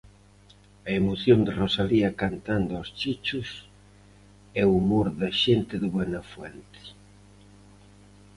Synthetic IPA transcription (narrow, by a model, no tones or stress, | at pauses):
ɐemoθjond̪ɪrosaliɐkant̪and̪ʊɔst͡ʃit͡ʃʊs | ɛumoɾðaʃent̪ɪðɪβwɛnɐfwɛnt̪ɪ̥